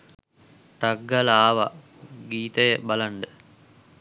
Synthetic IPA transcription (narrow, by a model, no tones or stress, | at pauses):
ʈɐɡːɐlaːʋɐ | ɡiːt̪ɐjəbɐlɐɳɖə